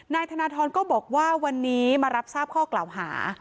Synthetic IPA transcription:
naː˧jt̪ʰaː˧naː˧t̪ʰɔː˧nkɔː˥˩bɔː˨˩k̚waː˥˩wa˧nːiː˦˥maː˧ɾa˦˥p̚saː˥˩p̚kʰɔː˥˩klaː˨˩wɦa̰ː˩˦

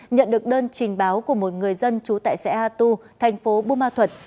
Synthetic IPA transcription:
ɲə̰˧˨nɗɨ˨˩ək̚ɗəː˧nt͡ɕï˨˩ŋ̟ɓaː˨˦wku˧˩əmo˨˩t̚ŋɨ˨˩əjzə˧nt͡ɕu˨˦t̪a̰ː˧˨jsɛ̰˧˥haː˧t̪u˧t̪ʰɛ˨˩jŋ̟fo˨˦ɓu˧maː˧t̪ʰwə˨˩t̚

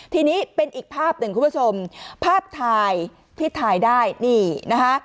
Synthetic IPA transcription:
t̪ʰiː˧niː˦˥pe˧nʔiː˨˩k̚pʰaː˥˩p̚nɯ˨˩kʰu˨˩bt͡ɕʰo˧mpʰaː˥˩p̚t̪ʰaː˧j | t̪ʰiː˥˩t̪ʰaː˧jdaː˥˩jniː˧˩na˦˥kʰa˦˥ʔ

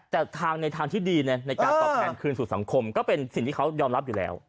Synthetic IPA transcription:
t̪ɛː˨˩t̪ʰaː˧ŋna˧jt̪ʰaː˧ŋt̪ʰiː˥˩diː˧na˧˥˩na˧jkaː˧ɔ˨˩ɛː˧˩nkʰɯː˧nsu˨˩sa˩˦ŋkʰo˧mkɔː˥˩pe˧nsi˨˩ŋt̪ʰiː˥˩ka˦˥wjɔː˧mɾa˦˥p̚juː˨˩lɛ̰ː˦˥w

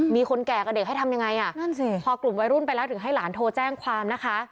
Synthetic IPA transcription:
miː˧kʰo˧nkɛː˨˩ka˧˩de˨˩ɦa˥˩tʰa˧mja˧ŋːa˧jʔa˨˩na˥˩nsi˧˩pʰɔː˧klu˨˩mwa˧jɾu˥˩npa˧jlɛː˦˥wt̪ɯ˨˩˦ŋɦa˥˩jlaː˩˦nt̪ʰoː˧t͡ɕɛː˥˩ŋkʰwaː˧mna˦˥kʰa˦˥

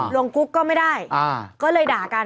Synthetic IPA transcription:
lu˧əŋku˦˥kːɔː˥˩ma˥˩jdaː˥˩jkɔː˥˩lɤː˧jdaː˨˩kaː˧

